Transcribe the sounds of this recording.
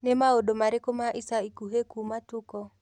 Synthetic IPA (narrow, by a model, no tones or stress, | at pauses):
nɛmaodomaɾekomaʔisaikuɦekumatukɔ